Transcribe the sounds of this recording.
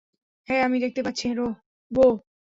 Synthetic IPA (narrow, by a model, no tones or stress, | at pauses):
ɦɛamid̪ek̚t̪epatːɕʰiɾo | bo